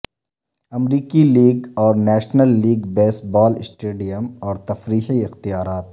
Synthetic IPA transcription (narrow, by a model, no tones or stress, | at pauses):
ɐmɾiːkiliːɡɔːɾnɛːʃnəlːiːɡbeːsbɔːlɪsʈeːɖijəmɔːɾt̪ɐfɾiːxiɪxt̪ijaːɾaːt̪̚